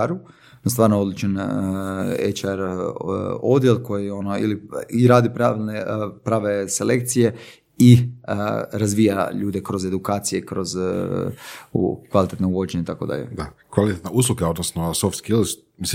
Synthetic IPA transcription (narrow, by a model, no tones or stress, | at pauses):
ɾu | nost̪ʋaːɾnoo̞d̪lit͡ʃan | et͡ʃaɾ | o̞d̪jelko̞jio̞noḭliiɾaːd̪ipɾaʋilnepɾaːʋe̞sele̞kt̪sije̞ | i | ɾazʋiːja̰ʎuːd̪ekɾo̞ze̞d̪ukaːt̪sije̞kɾo̞z | ṵkʋalit̪et̪nouʋo̞d͡ʒeɲeit̪akod̪a̰ʎḛd̪akʋalˠit̪et̪neusluɡeo̞d̪nosnosoft̪skilz | mi